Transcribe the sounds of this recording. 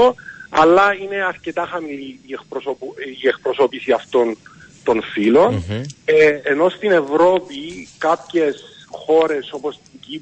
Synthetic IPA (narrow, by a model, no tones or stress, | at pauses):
oɐ̰lːɐine̞ɐɾce̞t̪ɐxɐmiliːekpɾosopiekpɾoso̞pisiɐft̪o̞n | t̪o̞nfilo̞neːno̞st̪ine̞vɾo̞pikɐpçes | xo̞ɾe̞so̞posici